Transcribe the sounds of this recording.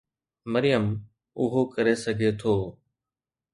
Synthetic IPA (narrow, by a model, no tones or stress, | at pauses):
məɾɪjəm | ʊɦokɐɾesɐɡʱet̪ʰoː